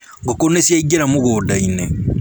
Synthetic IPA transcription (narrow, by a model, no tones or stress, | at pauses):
ɡokonesjaiɡeɾamoɣoːdaine